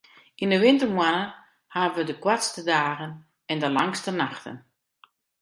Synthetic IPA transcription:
indəʋɪntərmwanə | haːəʋədəkwatstədaːɣən | ɛndəlaŋstənaxtə̰n

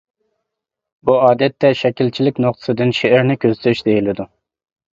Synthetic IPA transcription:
buɑːd̪ɛt̪ːɛʃɛkʲilt͡ʃʰilɪkʲnoqt̪ʰɨ̥sɨd̪ɨnʃeɛɾnɪkʲʰøz̥t̪yɾyʃd̪ejilɪd̪u

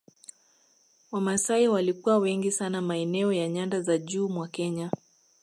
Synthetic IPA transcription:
wamasaiwalikuwawɛŋɡisanamaɛnɛɔjaɲandazaʄuːmwakɛɲa

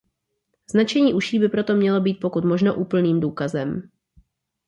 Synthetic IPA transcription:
z̥nat͡ʃɛɲiːʔuʃiːbɪpɾo̞t̪o̞mɲɛlo̞biːt̪̚po̞kut̪mo̞ʒnoʔuːpl̩niːmduːkazɛm

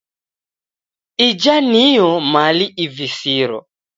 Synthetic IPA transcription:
id͡ʒanijɔmaliʔivisiɾɔ̰

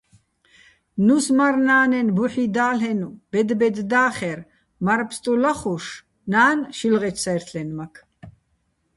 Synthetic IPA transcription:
nusmaɾnaːnɛnbuħid̪aːlɦɛnub̥ɛd̪bɛd̪ːaːχɛɾ | maɾpʰst̪ʼulaχuʂ | naːnʃilʁɛt͡ʃʰsajɾt̪ʰlɛnmakʰ

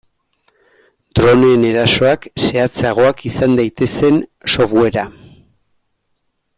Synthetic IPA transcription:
d̪ɾo̞nene̞ɾaso̞akse̞at͡saɣ̞o̞akisand̪ajt̪e̞se̞nso̞βwe̞ɾa

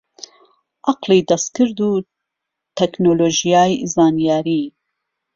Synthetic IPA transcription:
ʔɑqliːd̪ɐst̪̚kɨɾd̪uː | t̪ʰɛknoːloːʒijaːjzɑːnijaːɾiː

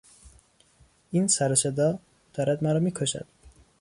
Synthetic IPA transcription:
iːnsæɾɒsed̪ɒː | d̪̥ɒːɾæd̪mæɾɒːmiːkʰoʃæ̰d̪̥

